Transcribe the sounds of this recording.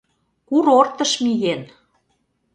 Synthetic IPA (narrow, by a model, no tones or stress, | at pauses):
kuɾort̪ə̆ʃmiɣen